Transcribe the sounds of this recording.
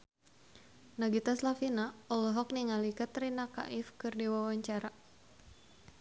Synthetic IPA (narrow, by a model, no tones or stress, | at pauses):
naɡit̪aslafinaɔlɦɔk̚niŋalikat̪rinaka̰ʔɪfkɨrdiwawaɲt͡ʃaɾa